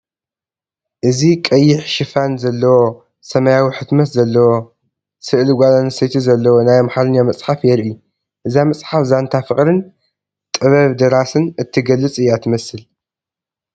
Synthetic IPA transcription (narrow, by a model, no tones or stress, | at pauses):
ʔɨzikʼɐjːɪħʃɨfanzɐlːɐwo | sɐmajawiħɨt̪mɐt̪zɐlːɐwo | sɨʔlɡʷalanɐsɐjt̪ʰizɐlːɐwonajamħalɨnjamɐt͡sʼħafjɛɾʔɨu | ʔɨzamɐt͡sʼħafzant̪ʰafɨχʼɾɨn | t̪ʼɨβɐβd̪ɨɾasɨnɨt̪ʰːiɡɐlːɨt͡sʼɨjat̪ʰɨmɐsɨl